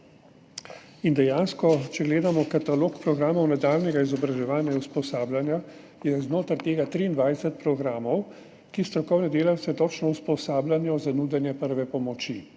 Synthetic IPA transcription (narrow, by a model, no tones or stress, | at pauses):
ind̪ɛjaːnskɔt͡ʃɛɡleːd̪amɔkat̪aloːkpɾɔɡɾaːmɔwnad̪aːlnɛɡaizɔbɾaʒɛʋaːnjauspɔsaːblʲanja | jɛznoːt̪aɾt̪eːɡat̪ɾiːnd̪ʋajsɛt̪̚pɾɔɡɾaːmɔw | kist̪ɾɔkɔwnɛd̪eːlawt̪sɛt̪ɔt͡ʃnɔwspɔsaːblanjɔzanuːd̪ɛnjɛpəɾʋɛpɔmɔt͡ʃi